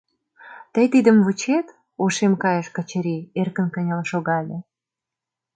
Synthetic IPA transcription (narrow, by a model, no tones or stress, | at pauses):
t̪ə̆jt̪id̪ə̆mvut͡ɕet̪ | oʃemkɑjə̆ʃkə̆t͡ɕə̆ɾierkə̆nkə̆nʲəlɑʃoɣɑlʲĕ